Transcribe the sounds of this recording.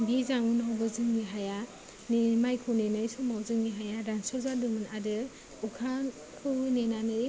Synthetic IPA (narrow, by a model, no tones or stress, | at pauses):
bizaŋunawbɯzɯŋɡiɦaja | nemajkʰɯwnenajsumawzɯŋɡiɦajaɾansɔzadɯmɯnadɯ | ukʰan | kʰɯwnenanɯj